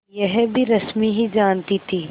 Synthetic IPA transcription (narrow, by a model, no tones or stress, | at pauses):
jɛɦbʱiɾɐsmiɦid͡ʒaːnt̪it̪ʰiː